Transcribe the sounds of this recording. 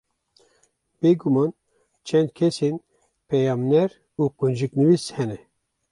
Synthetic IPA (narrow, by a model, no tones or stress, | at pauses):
b̥eːɡumɑn | t͡ʃʰɛnd̪̚kʰɛsen | pʰɛjɑːmnɛɾ | uːqund͡ʒɨknɨvishɛnɛ